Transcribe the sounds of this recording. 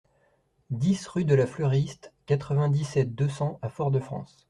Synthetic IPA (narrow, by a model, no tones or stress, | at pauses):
d̪isʁyd̪əlaflœʁist̪kat̪χəvɛ̃d̪isɛt̪̚d̪øsɑ̃afɔʁd̪əfχɑ̰̃s